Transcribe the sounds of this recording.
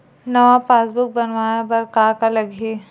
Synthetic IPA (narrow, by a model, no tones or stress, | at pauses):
nɐʋapaːsbʊk̚bɐnʋaːnabɐɾkaːkalɐɡʱe